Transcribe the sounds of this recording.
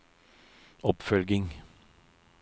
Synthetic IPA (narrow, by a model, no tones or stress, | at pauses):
ɔpfœlɡɪŋ